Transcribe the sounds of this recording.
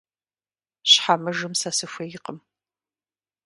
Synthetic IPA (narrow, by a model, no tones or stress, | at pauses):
ɕħamɨʒɨmsɐsɨxʷɐjɪqəm